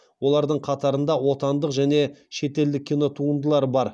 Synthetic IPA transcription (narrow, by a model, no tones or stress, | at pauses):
wo̞lˠɑɾd̪əɴqʰɑt̪ɑɾənd̪ɑwo̞t̪ɑnd̪əqʒæne̞ʃe̞t̪e̞ld̪ɪkʲʰːino̞t̪ʰuənd̪əlˠɑɾbɑɾ